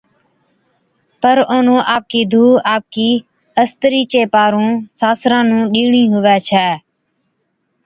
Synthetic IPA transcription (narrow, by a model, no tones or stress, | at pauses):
pəɾoːnõːʔaːp̚kiːd̪ʱuːaːp̚kiː | əst̪əɾiːt͡ʃeːpaːɾũːsaːsɾãːnũːɗiːɳĩːɦʊʋɛːt͡ʃʰɛː